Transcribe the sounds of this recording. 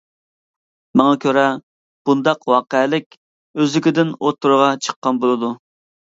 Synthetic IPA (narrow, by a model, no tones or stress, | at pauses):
mɑŋɑkʲʰøɾɛ | b̥und̪ɑqwɑːqəlɪkʲ | øzlɪkʲɪd̪ɪnot̪ʰːuɾʊʁɑt͡ʃʰə̥qːɑnbolˠɨd̪u